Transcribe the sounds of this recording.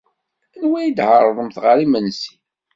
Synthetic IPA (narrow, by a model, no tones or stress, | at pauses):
ənwæjid̪həɾˤəðˤəmθʁəɾimənsi̥